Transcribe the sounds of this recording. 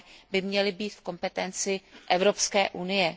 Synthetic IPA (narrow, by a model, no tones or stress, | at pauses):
bɪmɲɛlɪbiːt̪fko̞mpɛt̪ɛnt͡sɪʔɛvɾo̞pskɛːʔunɪjɛ